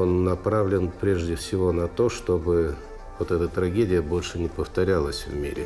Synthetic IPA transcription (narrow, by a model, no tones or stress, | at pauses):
onːɐpɾavlʲɪnpɾʲeʐdʲɪfsʲɪvo̞nɐt̪o̞ʂt̪o̞bɨ | vot̪ɛt̪ət̪ɾɐɡʲedʲɪjəbo̞lʲʂɨnʲɪpəft̪ɐɾʲalˠəsʲvmʲḭɾʲɪ̰